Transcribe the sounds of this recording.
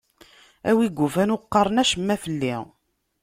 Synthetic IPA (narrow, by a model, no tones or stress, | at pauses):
æ̰wiɡʷːufænʊqːɑɾˤənæʃəmːæfəlːi